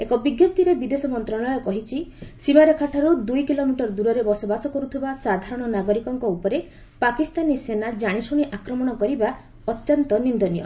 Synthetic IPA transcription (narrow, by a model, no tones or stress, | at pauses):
ekɔbiɡjɔp̚t̪iɾebid̪esɔmɔnt̪ɾɔɭɔjɔkɔɦit͡ʃʰisimaɾekʰaʈʰaɾud̪ujkilomiʈɔɾɔd̪uɾɔɾebɔsɔbasɔkɔɾut̪ʰibasad̪ʱaɾɔɽ̃ɔnaɡɔɾikɔŋkɔupɔɾe | pakist̪anisenad͡ʒaɽ̃isuɽ̃iʔakɾɔmɔɽ̃ɔkɔɾiba | ɔt̪jɔnt̪ɔnind̪ɔnijɔ̰